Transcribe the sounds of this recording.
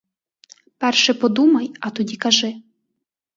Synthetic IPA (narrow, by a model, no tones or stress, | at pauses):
pɛrʃɛpɔd̪umɐjɐt̪ɔdʲikɐʒɪ